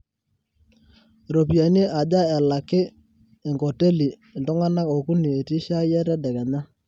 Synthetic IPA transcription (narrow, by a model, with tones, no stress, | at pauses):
ɾo˨p̬i˨a˨ni˦ʔa˨d͡ʒa˦ɛ˨la˨kɪ˦ | ɪ˨ŋko˨te˦li˨ | ntʊ˦ŋa˦na˦ko˨ku˦ni˨e˨ti˦ʃa˦jɛ˦ɾɛ˦dɛ˨kɛ˨ɲa˦